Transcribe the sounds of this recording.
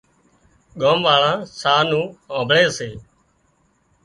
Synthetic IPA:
ɠõːmʋaːɭãːsaːnũːõːbʱɭeːəseː

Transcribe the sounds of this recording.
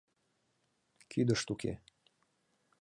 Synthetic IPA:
kʰyd̪əʃt̪ukḛ

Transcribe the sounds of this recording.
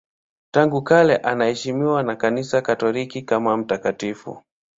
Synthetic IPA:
taŋɡukalɛʔanahɛʃimiwanakanisakatɔlikikamam̩takatifṵ

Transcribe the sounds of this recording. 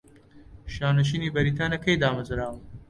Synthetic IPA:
ʃaːnɐʃ̬iːniːbɐɾiːt̪aːnɐkɐjd̪aːmɐzɾaːwɨ

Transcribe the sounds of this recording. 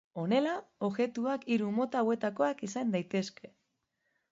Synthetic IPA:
o̞ne̞laoɣe̞t̪uakiɾumo̞t̪aːwe̞t̪ako̞akisand̪ajt̪e̞ske̞

